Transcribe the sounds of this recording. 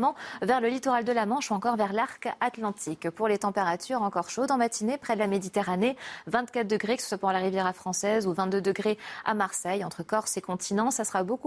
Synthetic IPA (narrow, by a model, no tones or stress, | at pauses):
mɑ̃vɛʁləlit̪ɔʁald̪əlamɑ̃ʃuɑ̃kɔʁvɛʁlaʁkat̪lɑ̃t̪ʰikpuʁlet̪ɑ̃peʁat̪ʰyʁɑ̃kɔʁʃod̪ɑ̃mat̪ʰinepχɛd̪əlamed̪it̪eʁanevɛ̃t̪kat̪̚d̪əɡʁekə̥sə̥swapɑ̃d̪ɑ̃laʁivjɛʁafχɑ̃sɛzuvɛ̃t̪̚d̪ød̪əɡʁea̰maʁsɛjɑ̃t̪χəkɔʁsekɔ̃t̪ʰinɑ̃sasəʁaboku